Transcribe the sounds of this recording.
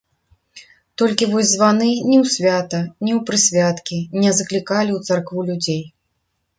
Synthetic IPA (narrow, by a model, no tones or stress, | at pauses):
t̪ɔlʲkʲivɔzʲzvanɨnʲɛwsʲvʲat̪ɐnʲɛwpɾɨsʲvʲat̪kʲinʲɛzɐklʲikalʲiwt̪sarkvulʲud͡zʲej